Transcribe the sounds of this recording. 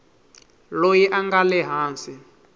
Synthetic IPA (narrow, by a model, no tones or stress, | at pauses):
lojiʔaŋɡalɛɦaːnsi